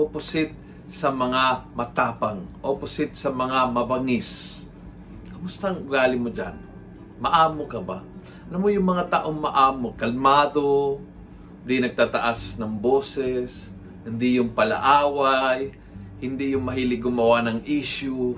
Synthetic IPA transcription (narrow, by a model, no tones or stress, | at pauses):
ʔopʊsɪt̪̚ | sɐmɐŋamɐt̪aːpaŋʔopʊsɪt̪̚sɐmɐŋamɐbɐŋɪs | kɐmʊst̪aŋʔʊɡaːlɪmod͡ʒa̰n | mɐʔaːmokɐba | ʔɐlamojʊŋmɐŋat̪aːʔoŋmɐʔaːmokɐlmaːd̪o | hɪnd̪inɐɡ̚t̪at̪ɐʔasnɐŋboːsɛs | hɪnd̪ijʊŋpɐlɐ̰ʔaːwaj | hɪnd̪ijʊŋmɐɦiːlɪɡʊmɐwanɐŋʔiʃjʊ